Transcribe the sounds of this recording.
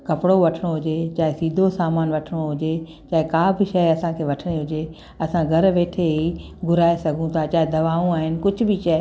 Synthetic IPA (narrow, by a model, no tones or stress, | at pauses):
kɐpɪɽoʋɐʈʰɽ̃oɦʊd͡ʑet͡ɕaːɦesiːd̪ʱosaːmaːnʋɐʈʰɽ̃oɦʊd͡ʑe | t͡ɕaːɦɪkaːbʱɪʃɐɐsãkʰeːʋɐʈʰəɽ̃eɦʊd͡ʑe | ɐsãɡʱɐɾʋeːʈʰeɦiɡʱʊɾaːesɐɡʱũt̪ʰaːt͡ɕaːɦed̪ɐʋaːũaːɦɪnɪ̆kʊd͡ʑʱbɪʃɐ